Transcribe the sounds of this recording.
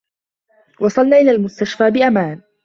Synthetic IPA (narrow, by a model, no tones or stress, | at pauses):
wɑsˤɑlnaːʔɪlaːlmʊst̪aʃfaːbɪʔamaːn